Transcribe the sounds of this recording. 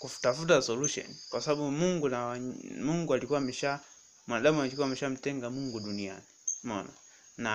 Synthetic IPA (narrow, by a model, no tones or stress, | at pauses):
kufu̥tafutasɔluʃɔ̰nikwasaɓaɓumuŋɡunamuŋɡualikuwamɛʃa | mwanaɗamuaɲikuwamɛʃam̩tɛŋɡamuŋɡuɗunia̰nimɔna | na